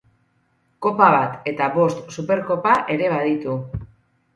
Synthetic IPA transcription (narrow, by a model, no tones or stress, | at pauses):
ko̞paβat̪e̞t̪aβo̞st̪supe̞ɾko̞paʔe̞ɾe̞β̞aðit̪u